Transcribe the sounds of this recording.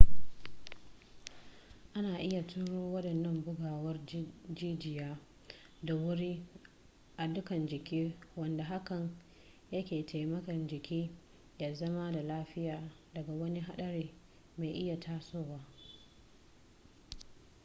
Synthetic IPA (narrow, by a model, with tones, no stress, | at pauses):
ʔa˦naː˨ʔɪ˦ja˨tʊ˦ɽoː˦wɐ˦ɗɐ˨nːɐ˦mbʊ˦ɡaː˨wɐ˦rd͡ʒiː˦d͡ʒɪ˨jaː˦ | da˨wʊ˦ɽiː˦ | ʔa˨dʊ˦kɐ˨nd͡ʒɪ˨kʲiː˦wɐ˨nda˨ɦa˦kɐ˨n | jɐ˦kʲeː˨tʰa˨jmɐ˦kɐ˨nd͡ʒɪ˨kʲiː˦ | jaː˦zɐ˦ma˦da˨laː˦ɸɪ˦jaː˨ | dɐ˨ɡa˨wɐ˦ni˦ɦa˦ɗɐ˦ɽeː˨ | meː˨jʔɪ˦ja˨tʰaː˦soː˦˨waː˦